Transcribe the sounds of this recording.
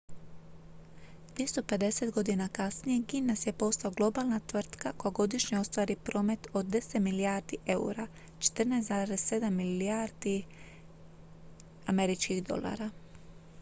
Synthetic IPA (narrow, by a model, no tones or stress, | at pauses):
d̪̥ʋjest̪o̞pe̞d̪e̞set̪ɡo̞d̪inakasnije̞ɡinːasje̞po̞slaoɡlˠo̞balˠnat̪ʋr̩t̪kako̞jaɡo̞d̪iʃɲeo̞st̪ʋaːɾipɾo̞ːme̞t̪o̞d̪ːe̞set̪milijaːɾd̪iʔeṵɾa | t͡ʃe̥t̪ɨrnajszaːɾesse̞d̪amːiliaɾd̪̥i | ame̞ɾit͡ʃkixd̪o̞̰lˠa̰ːɾa